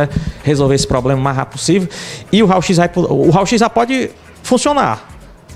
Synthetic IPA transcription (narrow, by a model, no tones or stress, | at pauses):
ɛhezowveɾesɪ̥pɾɔblẽmɐmaɦa̰pʊsivewɪʊɦawʃizaipoʊɦawʃizʒapɔd͡ʒɪ | fũsiona̰ɾ